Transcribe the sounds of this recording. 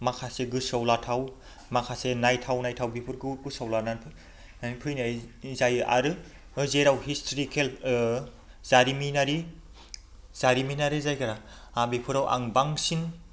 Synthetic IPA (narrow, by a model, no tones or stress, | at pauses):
makʰaseɡɯsawlatʰaw | makʰasenajtʰawnajtʰawbipʰɯɾɡɯɡɯsawlananpʰɯ | anpʰɯjnajzajʔa̰ɾɯ | ɯzeɾawɦistʰɾikʰel | z̥aɾiminaɾi | z̥aɾiminaɾizajkʰaɾa | abipʰɯɾawʔa̰ŋbaŋsiŋ